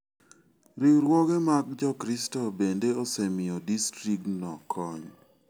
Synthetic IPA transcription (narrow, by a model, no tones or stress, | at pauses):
ɾiɾwɔɡemaɡ̚d͡ʒɔkɾistɔbendeɔsɛmɪɔdistɾiktnɔkʰɔɲ